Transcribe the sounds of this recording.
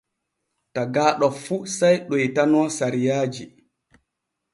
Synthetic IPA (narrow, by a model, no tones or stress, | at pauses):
taɡaːɗɔfusajɗɔjtanɔːsaɾijaːd͡ʒi